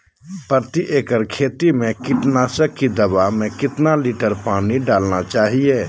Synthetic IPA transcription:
pəɾt̪iʔeːkəɾkʰeːt̪imẽkɪʈnaːsəkːid̪ɐbaɦmẽkɪt̪naliːʈəɾpaːniɖaːlnat͡ʃaːɦieː

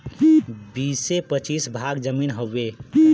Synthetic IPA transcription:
bisepət͡ʃisbʱaɡd͡ʒəminɦəːe

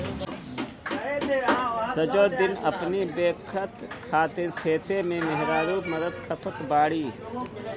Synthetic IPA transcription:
sɐd͡ʒoːd̪ɪnɐ̰pnibeːkʰət̪kʰaːt̪ɪɾt̪ʰeːt̪emẽmɛɦɾaːɾuːɾməd̪əd̪kʰɐpʰət̪baːɽi

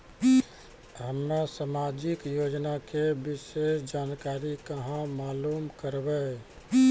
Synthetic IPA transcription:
ɦəmɾasamad͡ʒikjod͡ʒnakebisesd͡ʒankaɾikəɦãmaːlumkəɾbɛ

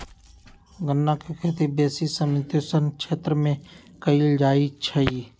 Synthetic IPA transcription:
ɡənːãkekʰeːt̪ibeːsisəmt̪oːsənkʃʰeːt̪ɾəmẽ | kəiːld͡ʒaːit͡ʃʰəiː

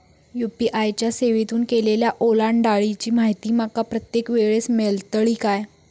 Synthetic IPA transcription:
jupiʔajt͡ɕjaseʋit̪uːnkeleljaʔolaɳɖaɭit͡ɕiːmaɦjt̪iːmakapɾət̪jekʋeɭesmelt̪əɭiːkaj

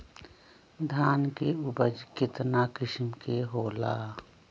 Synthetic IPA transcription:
d̪ʱaːnkeʊbəd͡ʒkɪt̪naːkɪʃmkeɦoːlaː

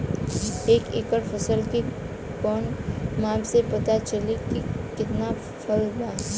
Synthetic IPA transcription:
eːkekəɽpʰəsəlki | kɔːnmaːbsepɐt̪at͡ʃəlikikɪt̪na | pʰəldʱaː

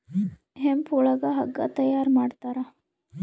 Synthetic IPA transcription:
eɦempuɭɐɡaɦɐ̰ɡːa̰ːt̪ɐjaːɾmaːɽt̪ɐɾa

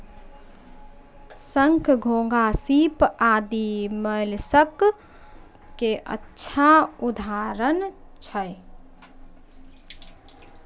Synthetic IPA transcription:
səŋkʰɡʱõːŋɡasiːpaːd̪iməlsək | keʔə̰tːʃʰaʊd̪ʱaːɾənt͡ʃʰəj

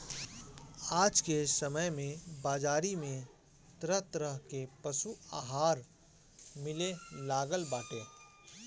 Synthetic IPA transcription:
aːd͡ʒkesəməjmẽbaːd͡ʒaːɾimẽ | t̪ɾəɦt̪ɾəɦkepɐʃua̰ːɦaːɾ | mɪlelaːɡəlbaːʈeː

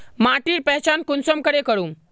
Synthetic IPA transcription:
maʈiːɾpɛɦt͡ɕankunsəmkəɾekəɽuːm

